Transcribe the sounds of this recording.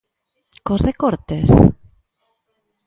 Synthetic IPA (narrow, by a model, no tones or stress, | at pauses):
kosrekoɾt̪es